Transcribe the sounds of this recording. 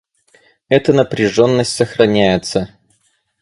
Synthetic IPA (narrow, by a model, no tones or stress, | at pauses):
ɛt̪ənəpɾʲɪʐo̞nːəsʲtʲsəxrɐnʲæjɪt̪sə